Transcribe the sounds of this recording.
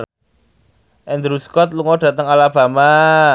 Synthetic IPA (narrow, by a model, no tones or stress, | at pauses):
ʔɛnd̪ɾuskɔt̪̚luŋɔɖ̥ä̤t̪əŋalab̥a̤ma